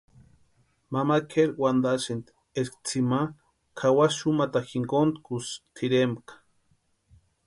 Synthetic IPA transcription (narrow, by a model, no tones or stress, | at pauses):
mamakʰeɾwʷand̪at͡ʃint̪ | eskt͡sʰima | kʰawaʃumat̪axiŋkont̪kust̪ʰiɾembkḁ